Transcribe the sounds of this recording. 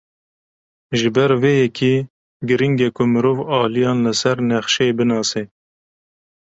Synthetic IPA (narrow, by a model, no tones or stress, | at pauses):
ʒɨbɛɾveːjɛkʰiː | ɡɨɾiŋɡɛkʰʊmɨɾoːvɑːlijɑːnlɨsɛɾnɛxʃɛebɨnɑːse